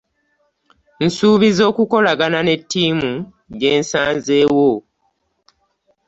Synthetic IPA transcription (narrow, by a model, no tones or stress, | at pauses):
n̩suːβizo̞ːkuko̞laɡanane̞tːiːmu | ɟe̞ːnsaːnze̞ːwo